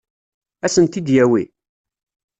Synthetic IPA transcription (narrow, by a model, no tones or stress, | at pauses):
æsənt̪id̪jæwḭ